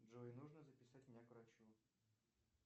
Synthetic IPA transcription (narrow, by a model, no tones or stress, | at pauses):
dʐoɪnuʐnəzəpʲɪsatʲmʲnʲakvɾat͡ɕu